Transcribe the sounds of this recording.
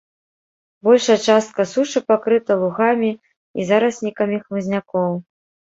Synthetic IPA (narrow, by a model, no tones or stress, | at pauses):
bɔlʲʂɐjɛɐt͡ʂast̪̚kɐsuʂɨpakɾɨt̪ɐlˠuɣamʲi | ḭzaɾɐsʲnʲikɐmʲixmɨzʲnʲakɔw